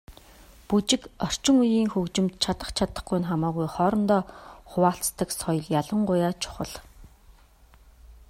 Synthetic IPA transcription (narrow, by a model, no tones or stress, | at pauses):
put͡ɕɪ̆kɔr̥t͡ɕɪ̆ŋujiːŋxɵwt͡ɕɪ̆mt̪t͡ɕʰat̪ə̆χt͡ɕʰat̪ə̥̆χɡuj̆nχamaːɣujχɔːɾɞ̆nt̪ɔːχʊwaːɬt͡st̪ə̆ksɔj̆ɮjaɮə̆ɴɢʊjaːt͡ɕʰʊ̥χə̰̆ɮ